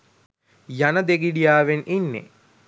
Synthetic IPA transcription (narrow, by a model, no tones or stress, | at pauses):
janəd̪eɡiɖijaːʋenʔinːḛ